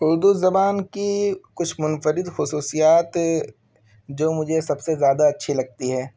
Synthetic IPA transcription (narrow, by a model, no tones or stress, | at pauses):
ʊɾd̪uzɐbaːnkikʊt͡ʃʰmʊnfəɾɪd̪xʊsuːsijaːt̪ | d͡ʒoːmʊd͡ʒʱesɐbsezjaːd̪aɐtːʃʰilɐɡ̚t̪iɦɛː